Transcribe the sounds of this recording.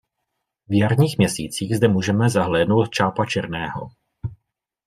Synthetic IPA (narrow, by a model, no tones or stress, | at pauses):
vjaɾɲiːxmɲɛsḭːt͡siːɣzdɛmuːʒɛmɛzaɦlɛːdno̞wt̪̚t͡ʃaːpat͡ʃɛɾnɛːɦo̞̰